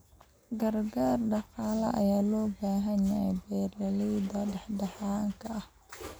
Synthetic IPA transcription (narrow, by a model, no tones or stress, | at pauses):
ɡɐrɡaːrɖɑqɑːlɐ̰ʔɐ̰jaːlɔːbaːɦɐnɐjɛjbɛːlɐlid̪ɐɖɛħɖɑħaːŋkʰɐʔɐh